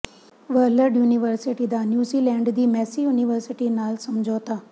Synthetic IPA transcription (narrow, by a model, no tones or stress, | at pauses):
ʋəɾləɾɖjuːnɪʋəɾsɪʈiːd̪aːnjuːziːlɛ̃ːɳɖd̪iːmɛːsiːjuniʋəɾsɪʈiːnaːlsəmd͡ʒɔːt̪aː